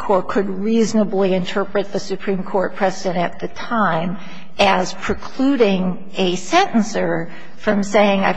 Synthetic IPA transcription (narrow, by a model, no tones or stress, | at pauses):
kʰɔɹt̚kʰɨd̚ɹiznəbliɨ̃ntʰɜ˞pɹɨt̪̚ðɨsɨpʰɹ̥ĩmkʰɔɹt̚pʰɹ̥ɛzɪdɨ̃ñɨt̪̚ðɨtʰãɪ̃m | ɨz̥pʰɹ̥ɨkʰl̥ʉɾɪ̃ŋ | ɨsɛ̃nʔn̩sə˞ | fɹʌ̃mseɪɪ̃ŋaɪ